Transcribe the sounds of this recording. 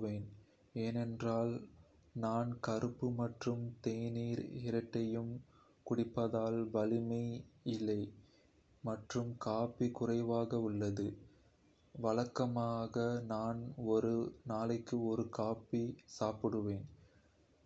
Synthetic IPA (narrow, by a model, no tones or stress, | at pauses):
ʋeːn | eːnɛndraːl | naːnkɐɾɯpːɯmɐʈrɯmt̪eːniːɾɪɾɐʈːɐjɯm | kʊɽɪpːɐðaːlʋɐlɪmɐɪɪlːɐɪ | mɐʈrɯmkaːpːikʊrɐɪʋaːɣɐʊɭːɐðɯ | ʋɐɭɐkːɐmaːɣɐnaːnɔɾɯnaːlɐɪkːɯɔɾɯkaːpisaːpɯɽɯʋeːn